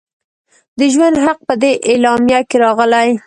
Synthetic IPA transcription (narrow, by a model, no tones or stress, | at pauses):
d̪əʒwand̪ɦaq̚pəd̪eʔelɑmjakeɾɑɣəlaj